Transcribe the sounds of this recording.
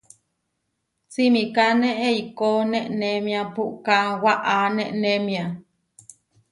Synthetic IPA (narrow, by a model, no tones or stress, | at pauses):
t͡simikaneʔeikoneʔnemĩapuʔkawaʔaneʔnemĩa